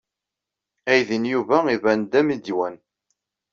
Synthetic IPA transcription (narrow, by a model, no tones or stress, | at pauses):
æjðinjuvæivænd̪æmid̪wæn